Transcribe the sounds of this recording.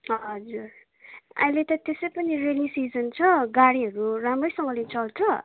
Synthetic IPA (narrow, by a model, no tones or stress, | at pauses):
ɦʌd͡zur | a̰ĩlet̪ʌt̪esʌjpʌnirelisid͡zʌnt͡sʰʌɡaɽiɦʌɾuramrʌjsʌŋɡʌlet͡sʌlt͡sʰʌ